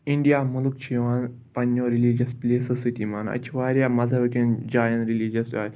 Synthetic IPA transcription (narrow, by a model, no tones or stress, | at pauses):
iɳɖijaːmuluk̚t͡ʃʰiːʋaːn | pɐnːoːɾilid͡ʒɐsplʲeːsɐsit̪imaːnɐ̰t͡ʃʰiʋaːɾʲjaːmɐzɐbɐkʲind͡ʒaːjɐ̃nɾiliːd͡ʒɐsa̰ːt̪ʰ